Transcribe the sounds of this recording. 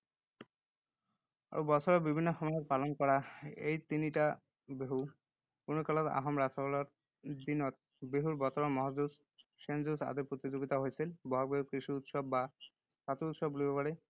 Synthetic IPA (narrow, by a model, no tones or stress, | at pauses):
a̰bɔt͡ɕʰɔɾɔbibʱinːɔxɔmɔjepalɔnkɔɾaejt̪iniʈa | beɦu | punukalɔt̪a̰ɦɔmɾatʰɔkɔlɔɾ | d̪inɔt̪̚ | beɦuɾbɔt̪ɔɾɔmɔɦɔd͡ʑus | ʃend͡ʑusa̰d̪epɾot̪id͡ʑoɡit̪aɦojsʰilbɔɦɔɡekɾiʃiut̪ʃɔbːa | kat̪uut̪ʃɔbːulibɔpaɽe